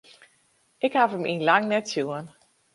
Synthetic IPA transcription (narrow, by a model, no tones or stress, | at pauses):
ʔɪkhafəminlaŋnɛtjuən